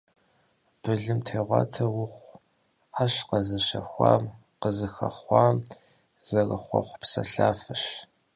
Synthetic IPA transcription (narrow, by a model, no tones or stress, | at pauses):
b̥ɨɮɨmtʰeːʁʷɑ̰ːtʰɐwʊχʷ | aɕqɐzɨʃɐxʷɑ̰ːm | qəzɨxɐ̰χʷɑːm | z̥ɐrɐχʷɔ̰χʷpsɐ̰ɬaːfɐʃ